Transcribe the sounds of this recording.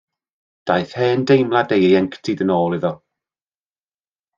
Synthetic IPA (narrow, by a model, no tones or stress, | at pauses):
d̥ajθhɛːndejmlˠadejejɛŋktʰɪdənoːlˠɪðɔ